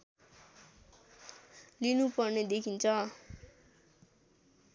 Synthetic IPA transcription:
linupʌrned̪ekʰint͡sʰʌ

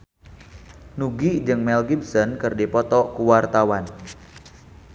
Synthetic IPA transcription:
nuɡid͡ʒɨŋmɛlɡib̚sɔnkɨrdipɔt̪ɔkuwart̪awan

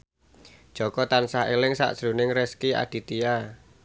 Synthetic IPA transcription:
ʒ̥ɔ̤kɔt̪ansaɦelɪŋsa̰ʔsɾunɪŋrɛskia̰d̥i̤t̪ia

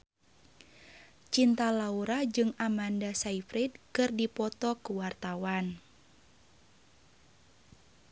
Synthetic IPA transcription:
t͡ʃint̪alauɾad͡ʒɨŋamandasaifɾid̚kɨrdipɔt̪ɔkuwart̪awan

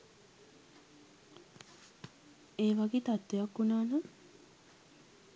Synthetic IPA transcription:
eːʋaɡeːt̪at̪ːejakːunaːnə

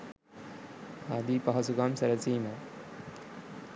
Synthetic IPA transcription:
haːd̪iːpɐɦɐsuɡaːmsɐɾɐt͡siːna

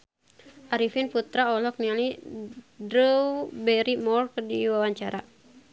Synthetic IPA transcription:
ʔaɾifinput̪ɾaɔlɔk̚niali | dɾəwbɛɾimɔrkdiwawaɲt͡ʃaɾʔa

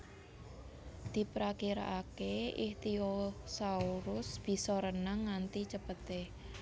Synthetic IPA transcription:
d̪̥i̤pɾakiɾa̰ʔakeiht̪iosauɾʊsb̥i̤sɔɾənaŋːant̪it͡ʃəpət̪e

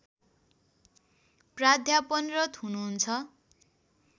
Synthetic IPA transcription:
prad̪ʱjapʌnrʌt̪ɦunuɦunt͡sʰʌ

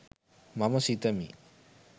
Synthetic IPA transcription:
mamɐsit̪ɐmḭ

